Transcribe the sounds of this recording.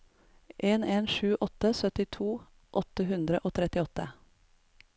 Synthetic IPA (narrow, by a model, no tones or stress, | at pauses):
ʔeːneːnʃʉːʔɔt̪əsœt̪ɪt̪ʰuː | ʔɔt̪əhʉnd̪ɾəʔoːt̪ʰɾɛt̪ɪɔt̪ə